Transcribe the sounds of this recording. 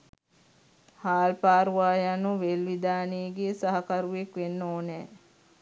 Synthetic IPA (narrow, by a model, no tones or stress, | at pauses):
haːlpaːɾuʋaːjanuʋelʋid̪aːniːɡeːsaɦakɐɾuʋekʋenːoːnɛː